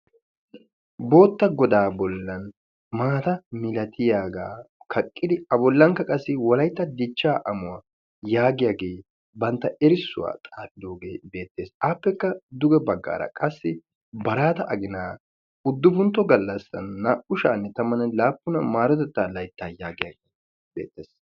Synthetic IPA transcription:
bo̞ːt̪ːɐɡɔd̪aːbɔlːɐn | maːt̪ɐmɪlɐt̪ʰɪjaːɡaːkʰɐkʼːɪd̪ɪɐbɔlːɐŋkːɐkʼɐsːɪwɔlɐjt̪ːɐd̪ɪt͡ʃːaːʔɐmʊwa | jaːɡɪjaːɡeː | bɐnt̪ːɐɛɾɪsːʊwa̰ːt̪ʼaːtʼːɪd̪oːɡeːbe̞ːt̪ːe̞ːsaːpːɛkːɐd̪ʊɡɛbɐɡːa̰ːɾɐ̰kʼɐsːɪ | bɐɾaːt̪ɐʔɐɡɪnaː | ʊd̪ːʊbʊnt̪ːɔɡɐlːɐsːɐ̰nːɐʔʊʃaːnːɛt̪ɐmɐnɐlaːpːʊnɐmaːɾɔt̪ɛt̪ːaːlɐjt̪ːaːjaːɡɪja̰ːɡeː | b̥ḛːt̪ːeːs

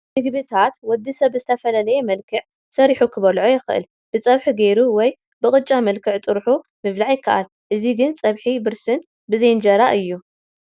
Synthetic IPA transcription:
nɨɡbɨt̪ʰat̪wɔd̪ːisɐβzɨt̪ʰɐfɐlɐlɐjemɐlkʰɨʕ | sɐɾiħukʰɨβɐlʕojɪxɨʔɨ̰l | b̥ɨt͡sʼɐβħuɡejɾuwɔj | bɨkʼɨt͡ʃʼːamɐlkʰɨʕt̪ʼɨɾħu | mɨβlaʕjɪkʰːa̰ʔa̰l | ʔɨziɡɨnt͡sʼɐβħibɨɾsɨn | bɨzɐjnd͡ʒɐɾaʔɨjːu

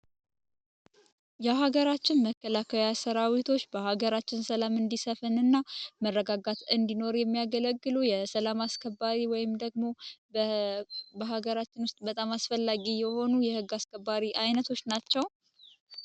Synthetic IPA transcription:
jaɦaɡəɾat͡ʃːɪnməkːəlakʰəjasəɾawit̪ʰo̞t͡ʃːbəhaɡəɾat͡ʃːɪnsəlamɨnd̪isəfɨnɨnːamərːəɡaɡat̪ɨnd̪ino̞ɾjɛmːijaɡələɡːɨlujɛsəlamaskʰəbːaɾiwɔjɪmd̪əɡmo̞ | bəɦaɡəɾat͡ʃːɪnwʊst̪ʼbət̪ʼamasfəlːaɡijɛho̞nujɛhɨɡːaskʰəbːaɾiʔajnət̪ʰo̞t͡ʃːnat͡ʃːɛw

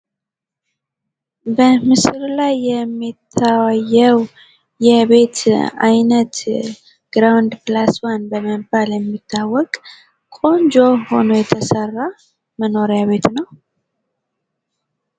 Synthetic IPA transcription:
bəmɨsɾlajːɛmːit̪ʰːawajːəw | jɛβe̞t̪a̰jnət̪ | ɡ̥ɾawnd̪plaswanbəməmbaljɛmːit̪ʰːawːɔkʼ | kʼo̞nd͡ʒoho̞no̞jɛt̪ʰəsərːa | məno̞ɾeaβe̞t̪nəw

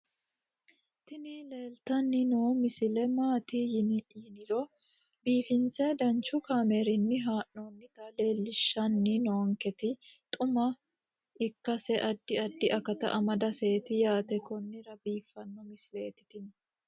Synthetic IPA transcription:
t̪ɪnile̞ːlt̪ɐnːɪnoːmɪsɪlɛmaːt̪ɪjɪnɪᶑiːnɪɾɔ | biːfɪnsɛd̪ɐnt͡ʃʊkaːmeːɾɪnːɪɦaːʔnonːɪt̪ɐle̞ːlːɪʃːɐnːɪnoːŋkɛt̪ɪt̪ʼʊmɐ | ɪkːɐsɛʔɐd̪ːɪɐd̪ːɪʔɐkɐt̪ɐ̰ʔɐmɐd̪ɐse̞ːt̪ɪjaːt̪ɛkɔnːɪɾɐbiːfːɐnːɔmɪsɪleːt̪ɪ̥t̪ɪn

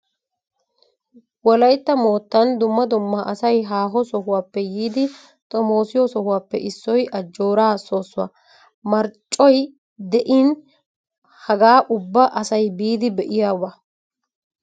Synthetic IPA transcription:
wɔlɐjt̪ːɐmo̞ːt̪ːɐnd̪ʊmːɐd̪ʊmːaʔɐsɐjɦaːɦɔsɔɦʊwaːpːɛjiːd̪ɪ | t̪ʼɔmo̞ːsɪjɔsɔhʊwaːpːɛ̰ʔɪsːɔjʔɐd͡ʒːo̞ːɾaːso̞ːsːʊwa̰ | mɐɾt͡ʃʼːɔj | d̪ɛʔɪn | hɐɡaːʔʊbːɐʔɐsɐjbiːd̪ɪbɛʔɪjaːwɐ

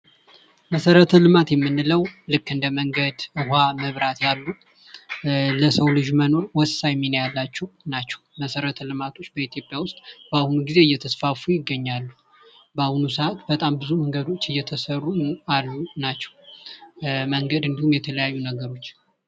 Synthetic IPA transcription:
məsəɾət̪ʰəlɨmat̪jɛmːɨnːɨləwlɨkːɨnd̪əməŋɡəd̪ɨhaməβɾat̪jalːu | ləsəwlɨʒməno̞ɾwɔsajminjalːat͡ʃːɛwnat͡ʃːɛ̥wməsəɾət̪ʰəlɨmat̪ʰo̞t͡ʃːbəit̪ʰjo̞pʼjawʊst̪ʼb̥əahunuɡize̞ɨjːɛt̪ʰəsfafujɪɡːəɲːalːu | bəahunusəat̪bət̪ʼambɨzuməŋɡəd̪o̞t͡ʃːɨjɛt̪ʰəsərːualːunat͡ʃːɛ̥w | məŋɡəd̪ɨnd̪ihumjɛt̪ʰələjajːunəɡəɾo̞t͡ʃː

